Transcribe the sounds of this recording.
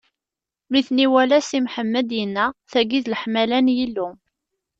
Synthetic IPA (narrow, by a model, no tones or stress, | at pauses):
miθniwælæsimħəmːəd̪jənːæθæɡiðləħmælænjilːʊ